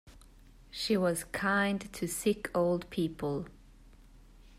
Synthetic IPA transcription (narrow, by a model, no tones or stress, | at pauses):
ʃiwʌz̥kʰãɪ̃ntʰɨsɪkʰoʊlˠd̚pʰipʰəlˠ